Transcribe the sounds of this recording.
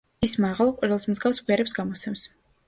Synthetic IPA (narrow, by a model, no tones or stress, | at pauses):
ismaʁalˠqʼwiɾilˠsmzɡafsɡʼwiaɾɛpsɡamɔt̪sʰɛms